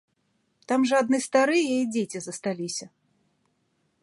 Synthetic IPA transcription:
t̪amʐɐad̪nɨst̪aɾɨjɛid͡zʲet͡sʲizɐst̪alʲisʲɐ

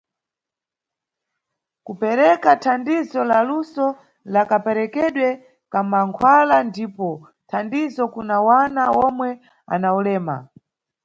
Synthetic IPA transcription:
kupɛɾɛkatʰandizɔlalusɔ | lakapɛɾɛkɛɗwɛ | kamaŋkʰwalandipɔ | tʰandizɔkunawanaɔmwɛ | a̰naulɛːma̰

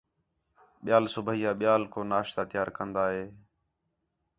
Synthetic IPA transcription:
ɓɪjaːlsʊbʱiːaːɓɪjaːlkoːnaːʃt̪aːt̪ɪjaːɾkənd̪aːɦeː

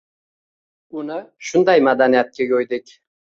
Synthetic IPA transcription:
ʊnɪʃʊnd̪ajmad̪anijat̪̚kʲajojd̪ɪkʲ

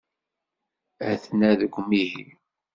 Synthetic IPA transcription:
æθnæðəɡʷːmihi

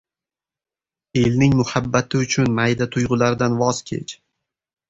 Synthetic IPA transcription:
e̞lnɪŋmʊhabːat̪ʰɪʊt͡ʃʰʊnmajd̪at̪ʰʊjʁʊlaɾd̪anvɒz̥kʲʰe̞̰t͡ʃ

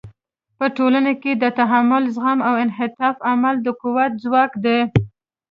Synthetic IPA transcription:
pəʈolaneked̪ət̪aɦamʊlzɣamawɪnɦɪt̪ɑfamald̪əkuwat̪̚zwɑkd̪e

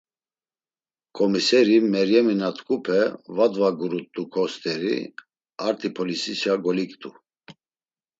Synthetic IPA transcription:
kʼɔmisɛɾimɛɾjɛminat̪ʰʼkʰʼupʰɛvad̪vaɡuɾut̪ʼːukʰɔst̪ʼɛɾḭ | aɾt̪ʰipʰɔlisisjaɡɔlikt̪ʼu

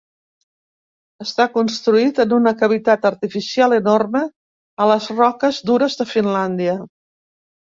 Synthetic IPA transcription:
əst̪akunst̪ɾuit̪ənunəkəβ̞it̪at̪əɾt̪ifisialˠənormə | ələzrɔkəzd̪uɾəzðəfinland̪iə

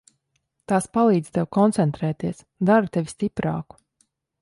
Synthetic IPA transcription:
t̪aːspalˠiːd̪z̥t̪ɛwkɔnt̪sɛnt̪ɾɛːt̪iɛs | d̪aɾut̪evʲist̪ipɾa̰ːku̥

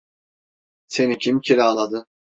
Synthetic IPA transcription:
se̞nicʰimcʰiɾʲaːlˠad̪ɯ

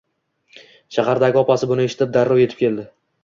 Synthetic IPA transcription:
ʃahaɾd̪aɡʲɪɒpasɪbʊnɪe̞ʃɪ̥t̪ʰɪp̚d̪aɾːɒwje̞t̪ɪ̥pkʲʰeld̪ɪ

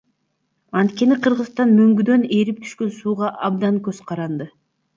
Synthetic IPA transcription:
ɑnt̪kʲe̞niqʰɯɾʁɯst̪ɑnmøŋɡyd̪ø̞ne̞ɾip̚t̪ʰy̥ʃkø̞nsuːʁɑʔɑb̚d̪ɑŋkøzqʰɑɾɑnd̪ɯ

